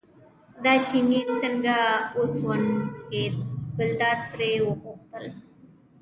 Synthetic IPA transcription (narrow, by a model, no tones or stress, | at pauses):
d̪at͡ʃininsəŋɡaoswankebɪld̪aːɾ̚pɾewəpoxt̪əl